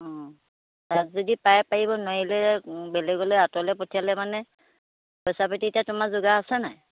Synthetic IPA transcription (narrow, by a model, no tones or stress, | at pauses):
ɔ̃ | tazɔdipajpaɹibɔnɔɦilɛbɛlɛɡɔlojatɔlɛpɔtʰialɛmanɛ | pɔjsapatitatʊmazʊɡaːsɛnaj